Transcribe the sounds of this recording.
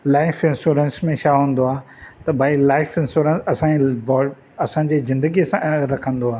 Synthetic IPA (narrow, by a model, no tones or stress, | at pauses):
laːɪfɪ̃nsuɾənsmẽʃʰaɦũːn̆d̪oaː | t̪ɐbʱaːilaːɪfɪ̃nsuːɾə̃nsɐsãbɔ | ɐsãd͡ʑezɪ̃nd̪əɡiəsãɾɐkʰə̃nd̪oaː